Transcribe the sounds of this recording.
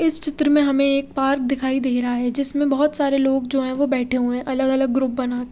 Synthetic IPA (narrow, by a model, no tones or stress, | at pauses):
ɪst͡ʃɪt̪ɾəmẽɦɐmẽeːk̚paːɾk̚d̪ɪkʰaːid̪eːɾɐɦaɦɛd͡ʒɪsmẽbɐɦɔt̪saːɾeloːɡd͡ʒoːɦɛ̃ʋobɛːʈʰeɦuɛ̃ʔɐləɡɐləɡːɾʊp̚bɐnaːkː